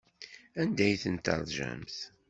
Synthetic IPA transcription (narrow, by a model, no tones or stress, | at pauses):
ænd̪æjθənt̪ə̰ɾˤðʒæ̰mθ